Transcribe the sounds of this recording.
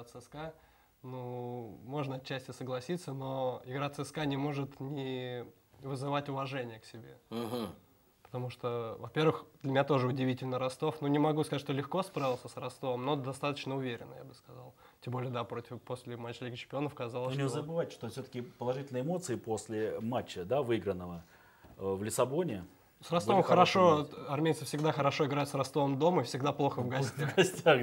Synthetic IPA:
at̪sɨska | numo̞ʐnəɐt̪t͡ɕːæsʲtʲɪsəɡlˠɐsʲit̪sːəno̞ɪɡɾat̪sɛskanʲɪmo̞ʐɨt̪nʲɪ | vɨzɨvatʲʊvɐʐɛnʲɪjəksʲɪbʲe̞̰ɦ̩ | pə̥t̪ɐmuʂt̪ovɐpʲe̞rvɨxd̪lʲɪmʲɪnʲat̪o̞ʐɨʊdʲɪvʲitʲɪlʲnəɾɐst̪o̞fnunʲɪmɐɡuskɐzt̪ʲʂt̪olʲɪxko̞spɾavʲɪlˠsʲəsrɐst̪ovəmno̞d̪ɐst̪at̪ət͡ɕnəʊvʲeɾʲɪ̰nːə̰ja̰bɨskɐzɑlˠ | tʲembo̞lʲɪjəd̪apɾotʲɪfpo̞sʲlʲɪmat͡ɕːlʲiɡət͡ɕɪ̥m̥ʲpʲɪo̞nəfkɐzalˠəsʲzəbɨvatʲʂt̪ofsʲot̪ə̥kʲɪpəlˠɐʐɨtʲlʲnəɪmo̞t̪sɨɪpo̞sʲlʲɪmat͡ɕːəd̪avɨiɡɾənːəvə | vlʲɪsɐbo̞nʲɪ | srɐst̪o̞vəmxəɾɐʂo̞ɐrmʲejt̪səfsʲɪɡd̪axəɾɐʂo̞ɪɡɾajɪt̪srɐst̪o̞vəmd̪o̞məifsʲɪɡd̪aplˠo̞xəvɡɐsʲt̪ʲaɡɐsʲtʲax

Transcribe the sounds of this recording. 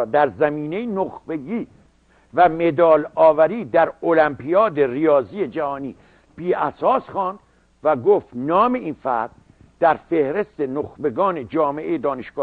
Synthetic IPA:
d̪æɾzæmiːnejinoxbe̞ɡiː | væme̞d̪ɒːlɒːvæɾiːd̪æɾolæmpʰijɒːd̪e̞rijɒːzijed͡ʒæhɒːniː | b̥iːʔæsɒːsxɑːnd̪̥ | væɡoft̪nɒːme̞iːnfæɾd̪ | d̪̥æɾfe̞hɾest̪enoxbe̞ɡɒːne̞d͡ʒɒːmeʔejed̪ɒːneʃɡ̥ɒː

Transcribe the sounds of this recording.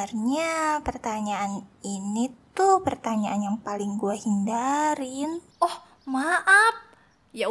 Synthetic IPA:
rɲapərt̪aɲaːninit̪upərt̪aɲaʔanjaŋpalɪŋɡuahindaɾɪn | ɔh | maʔap̚ | ja

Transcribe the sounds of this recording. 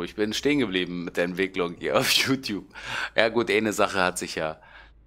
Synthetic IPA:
ɪçb̥ɪnʃteːənɡəbliːbm̩mɪt̚d̥eːɐɛntv̥ɪklʊŋhḭːɐaʊfjuːtjuːp̚jaːɡuːtʔaɪnəzaχəhatz̥ɪçjaː

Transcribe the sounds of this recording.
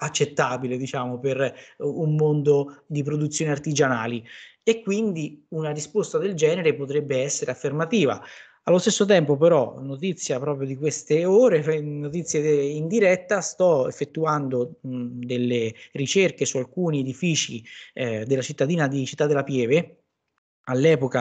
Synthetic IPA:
at͡ʃːet̪ːaːbiled̪it͡ʃaːmoperummond̪od̪ip̬ɾod̪ut̪sːjoːneart̪id͡ʒanaːliekːwind̪iunaɾispost̪ad̪eld͡ʒɛːneɾepot̪ɾɛbːeɛsːeɾeafːermat̪iːva̰ | alːost̪esːot̪̬ɛmpopeɾɔ̰nːot̪it̪sːjapɾɔːpɾjod̪ikwest̪eoːɾenot̪̬it̪sːjeind̪iɾɛt̪ːast̪ɔefːet̪ːuand̪od̪elːerit͡ʃerkesualkuːnied̪ifiːt͡ʃi | d̪elat͡ʃit̪ːad̪iːnad̪it͡ʃit̪ːad̪ːelːapjɛːve | alːɛːpoka

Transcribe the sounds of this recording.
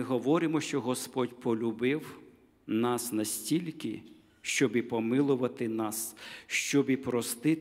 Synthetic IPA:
ɪɦɔʋɔɾɪmɔʃt͡ʃɔɦɔspɔdʲpɔlʲʊbɪw | nɑsnɐsʲtʲilʲkɪ | ʃt͡ʃɔbipɔmɪlˠʊʋɐt̪ɪnɑsʃt͡ʃɔbipɾɔst̪ɪ

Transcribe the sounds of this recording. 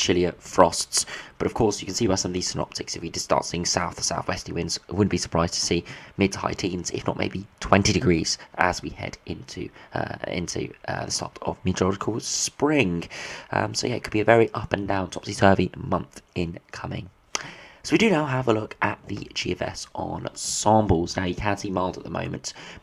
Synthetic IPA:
t͡ʃʰɪljəfɹɒstsb̥ʌɾəv̥kʰɔˑsjəkə̃nsiːbaɪsʌ̃məvðiz̥sɪnɒ̰p̚tʰɪksɪfwidɪd̥stɑ̰ˑtsiɪ̃ŋsaʊθəsaʊθwɛstiwɪ̃ndz̥wʊdⁿn̩b̥isə̥pʰɹ̥aɪz̥tʰə̥siːmɪd̥̚hʰa̰ɪtʰĩnzɪ̰fnə̰ʔmḛɪbitʰw̥ɛ̃ntidɪɡɹiːz̥ʔə̰zwihɛ̰dʔɪ̃ntʰʉ | ɪ̰̃ntʰʉ̰ʌ̰ðəstɑ̰ˑtə̰vmitɹɑɾɪkʰəlˠspɹɪ̃ŋʌ̰̃msəʊjæɪt̚kʰəd̚biəvɛɹiʔʌpə̃ndãʊ̃ntʰɒpsisɜːvimʌ̃nθʔɪ̃nkʰʌmɪ̰̃ŋ | səʊwidənaʊəvəlʊkʔəʔ̪ðə̰d͡ʒḭɛfɛ̰sʔn̩sɑ̃ˑmbəl̩ˠz̥naʊjəkʰə̃nsimaɪlˠzəʔ̪̚ðəmə̰̃ʊ̃mə̃nt

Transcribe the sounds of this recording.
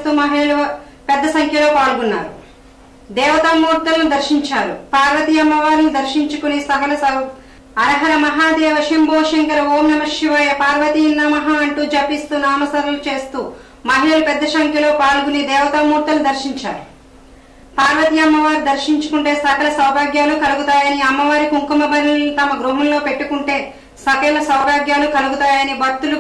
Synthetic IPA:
t̪uːmɐɦeːlɐ | pɛd̪ːɐsɐŋkʰjɐlo̞ːkaːluɡunːa̰ːɾu | d̪ɛːʋɐt̪ɐmːuːɾt̪ɐlnud̪ɐɾʃiɲt͡ʃaːɾupaːɾʋɐt̪ijɐmːɐʋaːɾnid̪ɐɾʃiɲt͡ʃukunisɐkɐlɐɐ | ɐɾɐɦɐɾɐmɐɦaːd̪ɛːʋɐʃimboːʂɐŋkɐɾɐoːmnɐmɐʂjɐʋaːjɐpaːɾʋɐt̪iːnːɐmɐɦaɐɳʈuːd͡ʒɐpːist̪uːnaːmɐsɐɾɐlut͡ʃe̞ːst̪uː | mɐɦilɐlupɛd̪ːɐʃɐŋkʰjɐlo̞ːpaːluɡunid̪ɛːʋɐt̪ɐmːuːɾt̪ɐlud̪ɐɾʃiɲt͡ʃaːɾu | paːɾʋɐt̪iɐmːɐʋaːɾid̪ɐɾʃiɲt͡ʃu̥kuɳʈe̞ːsɐkɐlɐsɐwbʱaːɡjaːlukɐluɡut̪aːjɐniɐmːɐʋaːɾikuŋkɐmɐbʱɐɾinit̪ɐmɐɡɾuɦɐmlo̞ːpe̞ʈːukuɳʈe̞ː | sɐkɐlɐsɐwbʱaːɡjaːlukɐluɡut̪aːjɐnibɐt̪ːulu

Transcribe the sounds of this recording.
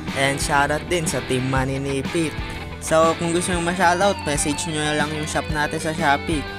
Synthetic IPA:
ʔɛnd̪ʃaːɾɐt̪̚d̪ɪnsɐt̪ɪmːɐnɪniːpɪt̪̚ | sokʊŋɡʊst̪oɲʊŋmɐʃaːd̪oʔot̪̚mɛːsɛd͡ʒɲoɐlɐŋjʊŋʃap̚naːt̪ɪnsɐʃaːpi

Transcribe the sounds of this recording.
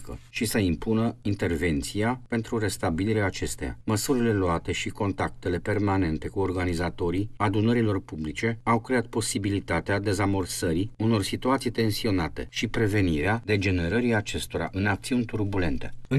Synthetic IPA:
kə̰ʃisəimpunəint̪e̞rve̞nt̪siape̞nt̪ɾuɾe̞st̪abiliɾeaːt͡ʃe̞st̪eja̰məsuɾile̞luat̪e̞ʃiko̞nt̪ak̚t̪e̞le̞pe̞rmane̞nt̪e̞kuorɡanizat̪o̞ɾiad̪unəɾilo̞rpublit͡ʃe̞awkɾe̞at̪̚po̞sibilit̪at̪ead̪e̞zamo̞rsəɾiuno̞rsit̪uat̪sijt̪e̞nsio̞nat̪e̞̰ʃipɾe̞ve̞niɾead̪e̞d͡ʒe̞ne̞ɾəɾiat͡ʃe̞st̪o̞ɾa̰ʔɨnak̚t̪siunʲt̪urbule̞̰nt̪e̞ɨ

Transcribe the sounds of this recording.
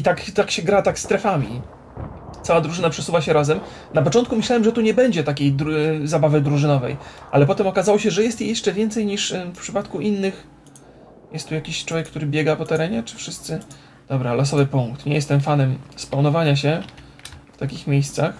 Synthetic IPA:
it̪akt̪akɕɛɡɾat̪akst̪ɾɛfamʲḭ | t̪sawad̪ɾuʐɘnapʂɛsuvaɕɛɾazɛm | napɔt͡ʂɔnt̪kumɘɕlawɛmʐɛt̪uɲɛbɛɲd͡ʑɛt̪akʲejd̪ɾzabavɘd̪ɾuʐɘnɔvɛ̰jʔa̰lɛpɔt̪ɛmɔkazawɔɕɛʐɛjɛst̪jejɛʂt͡ʂɛvʲjɛnt̪sɛjɲiʂfpʂɘpat̪kuʔinːɘx | jɛst̪ːujakʲiɕtt͡ʂwɔvʲɛk̚ːt̪uɾɘbʲjɛɡapɔt̪ɛɾɛɲɛt͡ʂɘ̥fʂɘst̪sɘ | d̪̥ɔbɾalɔsɔvɘpuŋkt̪ɲɛ̰jɛst̪ɛmfanɛmspawnɔvaɲaɕ̬ɛ | ft̪akʲixmʲjejst̪sax

